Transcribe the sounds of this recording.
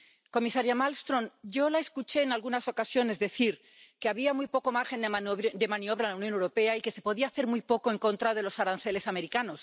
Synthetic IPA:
ko̞misaɾjamalst̪ɾõ̞nɟ͡ʝo̞lae̞skut͡ʃe̞ːnalɣunaso̞kasjo̞ne̞zðe̞θiɾ | keaβ̞iamujpo̞ko̞maɾxe̞nd̪d̪e̞mãnio̞β̞ɾalawnjonewɾo̞pe̞aike̞se̞po̞ðiaːθe̞ɾmujpo̞ko̞e̞ŋkõ̞nt̪ɾaðe̞lo̞saɾanθe̞le̞same̞ɾikano̞s

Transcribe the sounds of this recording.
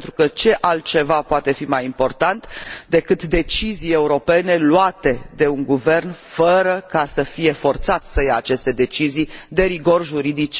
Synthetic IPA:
nt̪ɾukət͡ʃe̞ʔalt̪̚t͡ʃe̞vapoat̪e̞fimajimpo̞rt̪ant̪d̪e̞kɨt̪d̪e̞t͡ʃizije̞uɾo̞pe̞ne̞luat̪e̞d̪e̞uŋɡuve̞rnfəɾəkasəfije̞fo̞rt̪sat̪səjaːt͡ʃe̞st̪e̞d̪e̞t͡ʃizijd̪e̞ɾiɡo̞rʒuɾid̪it͡ʃ

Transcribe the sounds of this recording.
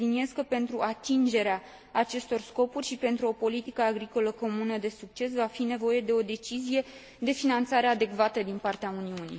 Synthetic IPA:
linieskəpe̞nt̪ɾuʔat̪ind͡ʒe̞ɾeaː | t͡ʃe̞st̪o̞rsko̞purʲʃipe̞nt̪ɾuo̞po̞lit̪ikəaɡɾiko̞ləko̞munəd̪e̞suk̚t͡ʃe̞s̬vafine̞vo̞je̞d̪e̞o̞d̪e̞t͡ʃizije̞ | d̪e̞finant̪saɾe̞ad̪e̞kvat̪əd̪inpart̪eauniunḭ

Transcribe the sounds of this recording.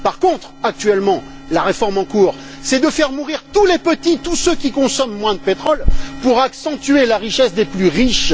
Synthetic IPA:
paʁkɔ̃t̪χak̚t̪ɥɛlmɑ̃ | laʁefɔʁmɑ̃kuːʁ | sɛd̪əfɛʁmuʁiʁt̪ulepət̪it̪usøkʲikɔ̃sɔmːwɛ̃d̪əpet̪χɔlpuʁaksɑ̃t̪yelaʁiʃɛsd̪eplyʁiʃ

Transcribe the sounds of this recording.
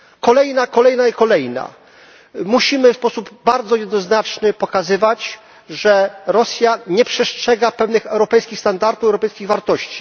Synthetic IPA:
kɔlɛjnakɔlɛjnaikɔlɛjna̰ | muɕimɘfspɔsubbaɾd̪zɔjɛd̪nɔznat͡ʂnɘpɔkazɘvat͡ɕ | ʐɛɾɔsʲjaɲɛpʂɛstʂɛɡapɛvnɘxɛwɾɔpɛjskʲixst̪and̪aɾt̪ufɛwɾɔpɛjskʲiɣvaɾt̪ɔɕt͡ɕi̥

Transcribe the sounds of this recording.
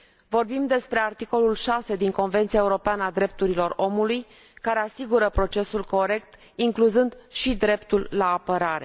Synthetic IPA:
vo̞rbimd̪e̞spɾe̞art̪iko̞lulʃase̞d̪iŋko̞nve̞nt̪sijaeuɾo̞peanəad̪ɾe̞p̚t̪uɾilo̞ro̞muluj | kaɾe̞asiɡuɾəpɾo̞t͡ʃe̞sulko̞ɾe̞k̚t̪ | iŋkluzɨnd̪ʃid̪ɾe̞pt̪ulːaːpəɾaɾe̞̰

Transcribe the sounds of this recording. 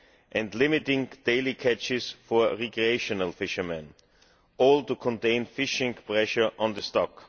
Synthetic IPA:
ʔɛ̃ndlɪmɪtɪ̃ŋd̥eɪlikʰæt͡ʃɪsfɔɹɹɛkɹieɪʃɔnəlˠfɪʃə˞mɛ̃n | ɔltukʰɔ̃ntẽɪ̃nfɪʃɪ̃ŋpɹɛʃə˞ʔɔ̃nðəstɔk

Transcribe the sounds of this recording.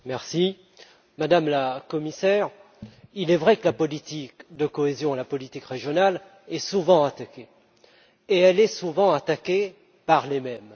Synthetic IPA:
mɛʁsi | mad̪amlakɔmisɛʁ | ilɛvʁɛkəlapɔlit̪ikd̪əkɔezjɔ̃elapɔlit̪ikʁeʒjɔnal | ɛsuvɑ̃at̪akʲe | eɛlɛsuvɑ̃at̪akʲe | paʁlemɛm

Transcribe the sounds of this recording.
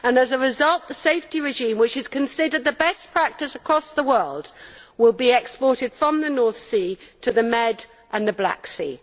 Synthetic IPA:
ə̃nəzəɹɪzʌlˠʔ̪̚ðəseɪftiɹɪʒĩmwɨt͡ʃɨz̥kʰɨ̃nsɪdə˞d̪̚ðəbɛspʰɹ̥æk̚tɨsəkʰɹ̥ɒsðəwɜ˞lˠdwɪlˠbiɛkspɔɹɾɨd̥fɹə̃mðənɔɹθsitʰɨðəmɛd | ʔə̃nðəbla̰ksḭ

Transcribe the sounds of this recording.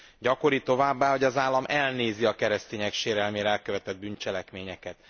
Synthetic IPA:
ɟɒko̞ɾit̪o̞vaːbːaːɦo̞ɟɒzaːlːɒmʔɛlneːziɒkɛɾɛst̪eːɲɛkʃeːɾɛlmeːɾɛɛlkøvɛt̪ɛd̪̚bynt͡ʃɛlɛkmeːɲɛkɛt̪

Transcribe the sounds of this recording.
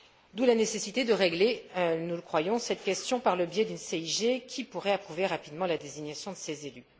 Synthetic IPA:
d̪ulanesesit̪ed̪əʁeɡlenuləkχwajɔ̃sɛt̪kʲɛst̪jɔ̃paʁləbjɛd̪ynseiʒekʲipuʁɛapχuveʁapid̪mɑ̃lad̪eziɲjasjɔ̃d̪əsezely

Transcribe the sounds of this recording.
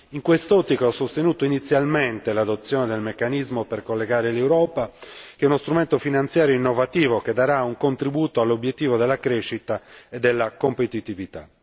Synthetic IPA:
iŋkwest̪ɔt̪ːikaɔsːost̪enuːt̪oinit̪sːjalment̪elad̪ot̪sːjɔːned̪elmekːanizmoperkolːeɡaːɾelewɾɔːpak̟ɛunost̪ɾument̪ofinant̪sjaːɾjoinːovat̪iːvok̟ed̪aɾauŋkont̪ɾibuːt̪oalːobjet̪ːiːvod̪elːakɾeʃːit̪aed̪elːakompet̪it̪ivit̪a̰

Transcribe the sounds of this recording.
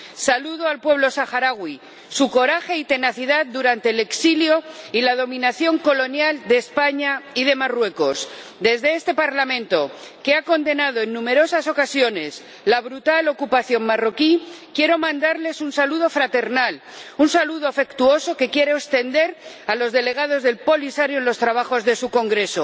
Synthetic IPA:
saluðoalpwe̞βlo̞saxaɾaɣwi | suko̞ɾaxe̞it̪e̞naθiðaðd̪uɾant̪e̞ːle̞ksiljo̞ilað̞o̞mĩnaθjo̞ŋko̞lo̞njald̪e̞ːspaɲaið̞e̞marwe̞ko̞s | d̪e̞zðe̞est̪e̞paɾlamẽ̞nt̪o̞ke̞ako̞nd̪e̞nað̞o̞e̞nːũme̞ɾo̞saso̞kasjo̞ne̞s | laβɾut̪alo̞kupaθjo̞ŋmaro̞kikje̞ɾo̞mãnd̪aɾle̞sunsaluðo̞fɾat̪e̞ɾnal | unsaluðo̞afe̞kt̪uo̞so̞ke̞kje̞ɾeost̪e̞nd̪e̞ɾ | alo̞zðe̞le̞ɣ̞að̞o̞zðe̞lpo̞lisaɾjoenlost̪ɾaβaxo̞zðe̞suko̞ŋɡɾe̞so̞

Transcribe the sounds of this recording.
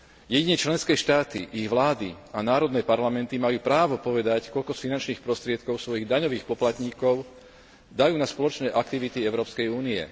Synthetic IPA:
jɛɟiɲɛt͡ʃlɛnskɛːʃt̪aːt̪ḭʔiɣʋlaːd̪i | anaːɾɔd̪nɛːpaɾlamɛnt̪imajuːpɾaːʋɔpɔʋɛd̪ackɔʎkɔsfinant͡ʃniːxpɾɔst̪ɾɪɛt̪̚kɔʊsʋɔjiɣd̪aɲɔʋiːxpɔplat̪ɲiːkɔʊ | d̪ajuːnaspɔlɔt͡ʃnɛːʔakt̪iʋit̪iɛʊɾɔːpskɛjuːniɛ̰

